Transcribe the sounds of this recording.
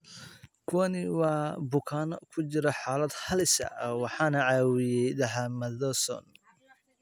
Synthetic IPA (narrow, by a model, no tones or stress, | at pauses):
kʰʊwɐnɪwɑːbʊkʰaːnkʰʊt͡ʃɪɾɐħɑːlɐd̪hɐlɪsɐ̰wɑħɑːnɐʕɑːwɪjɛjd̪ɐɦamɐðɔsɔ̰n